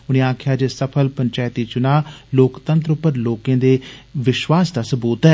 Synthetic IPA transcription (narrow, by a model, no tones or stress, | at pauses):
ʊñĩːaːkʰjaːd͡ʒesəpʰəlpəɲt͡ʃaːt̪iːt͡ʃʊnaːloːkt̪ə̃nt̪ɾʊpəɾloːkẽːd̪eːʋɪʃwaːsd̪aːsəbuːt̪ɛː